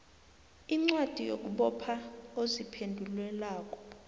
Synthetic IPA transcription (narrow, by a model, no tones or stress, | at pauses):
iŋ͡ǀwad̥ʱijo̰k̬ʼuɓɔpʰaozipʰendʱulwɛlaːk̬ʼɔ̥